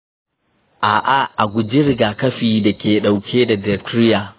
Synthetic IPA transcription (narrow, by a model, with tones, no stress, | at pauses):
ʔa˨ʔa˦ʔa˨ɡʷʊ˨d͡ʒɪ˦ɾɪ˦ɡaː˨kɐ˦ɸiː˨da˨kʲeː˨ɗa˨wkʲʰeː˦da˨dɛ˨tɾɪ˦jaː˨